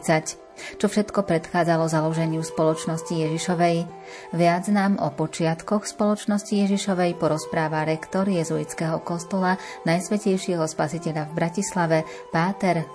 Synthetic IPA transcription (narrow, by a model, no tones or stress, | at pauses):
t͡sac | t͡ʃɔfʃɛt̪kɔpɾɛt̪xaːd͡zalɔzalɔʒɛɲɪuspɔlɔt͡ʃnɔscijɛʒiʃɔʋɛj | ʋɪad͡znaːmɔpɔt͡ʃɪat̪kɔxspɔlɔt͡ʃnɔscijɛʒiʃɔʋɛjpɔɾɔspɾaːʋaɾɛkt̪ɔɾjɛzuit͡skɛɦɔkɔst̪ɔla | najsʋɛcɛjʃɪɛɦɔspasicɛʎavbɾacislaʋɛ | paːt̪ɛɾ